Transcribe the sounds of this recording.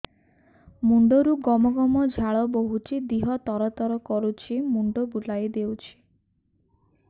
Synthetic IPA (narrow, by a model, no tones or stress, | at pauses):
muɳɖoɾuɡɔmɔɡɔmɔd͡ʒʱaɭɔboɦut͡ʃʰid̪iɦɔt̪ɔɾɔt̪ɔɾɔkɔɾut͡ʃʰimuɳɖobuɖajd̪ewt͡ʃʰi̥